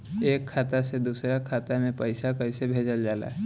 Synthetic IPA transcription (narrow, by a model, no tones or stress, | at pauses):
eːkkʰːat̪ased̪usɾakʰat̪amẽpəjsakəjsebʱed͡ʒəld͡ʒaːla̰ɦɛ